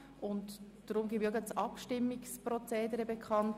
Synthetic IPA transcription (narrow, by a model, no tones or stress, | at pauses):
ʊnt | d̥ɾʊmɡivøɡət͡sɑpʃtɪmːɪkspɾɔt͡seːdəɾəbɛkʰɑnt